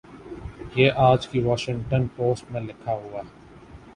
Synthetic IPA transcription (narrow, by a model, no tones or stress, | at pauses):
jeːʔaːd͡ʒkiʋaːʃɪ̃ŋʈənpoːsʈmẽlɪkʰaɦʊaːɛ